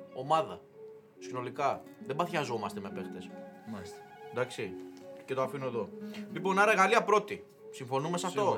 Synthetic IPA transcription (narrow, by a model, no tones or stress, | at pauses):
o̞mɐðɐ̰ | sino̞likɐ | ðebɐθçɐzo̞mɐst̪e̞me̞pest̪e̞sast̪nd̪ɐksice̞t̪oafinue̞ðo̞liponɐɾeɣaliɐpɾo̞t̪i | siɱfo̞numesɐfso̞